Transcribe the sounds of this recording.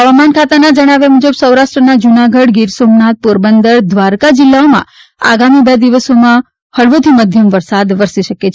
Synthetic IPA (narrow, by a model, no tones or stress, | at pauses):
ɦəʋamankʰat̪anad͡ʒəɽ̃aʋemũd͡ʒəbsəwɾaʃʈɾənad͡ʒunaɡəɽɡiɾsomnat̪̚poɾbənd̪əɾd̪ʋaɾkad͡ʒɪlːaomã̰ | a̰ɡamibed̪iʋəsomã | həɭʋot̪ʰiməd̪ʱjəmʋəɾsad̪ʋəɾsiʃəket͡ʃʰ